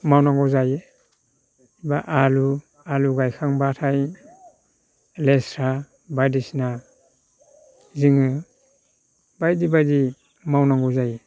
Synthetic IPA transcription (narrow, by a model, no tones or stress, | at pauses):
mawnaŋɡɔzaje | ibaʔalu | aluɡajkʰaŋbatʰaj | lestʰɾa | bajdisna | ziŋɯ | bajdibajdi | mawnaŋɡɔzaje